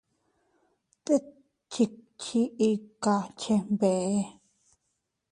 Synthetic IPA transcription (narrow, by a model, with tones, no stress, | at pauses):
t̪e˦ | t͡ʃi˧t͡ʃʰi˧i˧ka˧t͡ʃʰe˧mbe˨ʔe˦˧